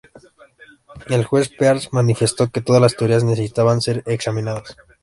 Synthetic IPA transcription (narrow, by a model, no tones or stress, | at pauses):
e̞lxwe̞speaɾsmanife̞st̪o̞ke̞t̪o̞ðazlast̪eoɾiaznesesit̪aβanse̞ɾeksamĩnaðas